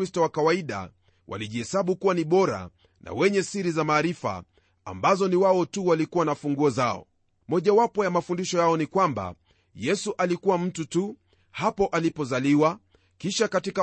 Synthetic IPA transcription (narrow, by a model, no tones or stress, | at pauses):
istɔwakawaiɗa̰ | wʔa̰liʄiɛsaɓukuwaniɓɔɾa̰ | nʔa̰wɛɲɛsiɾizamaːɾifa̰ː | mbazɔniwaɔtuwalikuwanafuŋɡuɔzaɔ̰ | mɔʄawapɔjamafundiʃɔjaɔnikwamba̰ | jɛsuʔalikuwam̩tutu | hapɔʔalipɔzaliwa | kiʃakatika